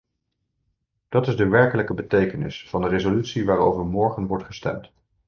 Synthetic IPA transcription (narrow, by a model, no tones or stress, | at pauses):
d̥ɑtɪzdəʋɛɹkələkəbətejkənɪ̰sfɑndərezolytsiʋaːɹowvəɹmɔɹχənʋɔɹtχəstɛ̰mt